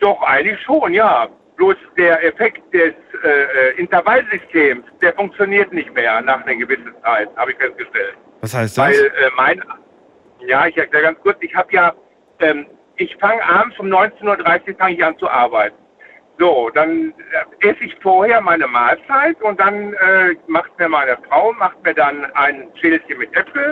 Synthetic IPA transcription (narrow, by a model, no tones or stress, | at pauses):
d̥ɔχʔa̰ɪɡŋ̩tlɪçʃoːnjaː | b̥loːsd̥eːɐʔɛfɛkt̚d̥ɛsʔɛːʔːʔɪntɐvalzʏstʰeːmsd̥eːɐfʊŋkt͡sjoniːɐtnɪçtmeːɐnaːχnəɡəvɪsən̩t͡saɪt̚haːbəɪçfɛst̚ɡ̥əʃtɛlt | vsaɪsvaɪlʔɛːmaɪn | jaːɪçɛɐklɛːəɡansɡkʊɐt͡sɪçhaːbəjaː | ʔɛːm | ʔɪçfaŋəʔamfʊmnɔʏnt͡seːnuːɐdʁaɪsɪçfaŋəɪçʔant͡suʔaɐbaɪt̚n̩ | zoːd̥anʔɛsəɪçfoːɐheːɐmaɪnəmaːlt͡saɪtʊnt̚d̥anɛːmaχt̚miːɐmaɪnəfʁ̥aʊnmaχt̚miːɐdanʔaɪnʃeːlsənmɪtʔɛpl̩